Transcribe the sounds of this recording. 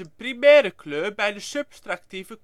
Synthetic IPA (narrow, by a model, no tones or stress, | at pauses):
əpʰɾɪmæːɾəkʰlʉbæd̪əsʉb̥st̪ɾɑkt̪ʰiːʋək